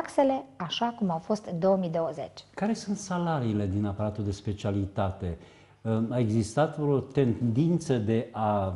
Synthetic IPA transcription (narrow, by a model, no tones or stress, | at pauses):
kse̞le̞aʃakumawfo̞st̪ɨnd̪o̞wəmid̪o̞wəze̞̰t͡ʃʲkaɾe̞sunt̪salaɾiːle̞d̪inapaɾat̪uld̪e̞spe̞t͡ʃialit̪at̪e̞ | ae̞ɡzist̪at̪ot̪e̞nd̪int̪səd̪e̞ʔa